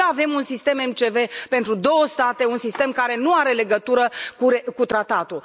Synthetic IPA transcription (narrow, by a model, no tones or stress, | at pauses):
ave̞munsist̪e̞me̞mt͡ʃe̞ve̞pe̞nt̪ɾud̪o̞wəst̪at̪e̞unsist̪e̞mkaɾe̞nuaɾe̞le̞ɡət̪uɾəkuɾekut̪ɾat̪at̪u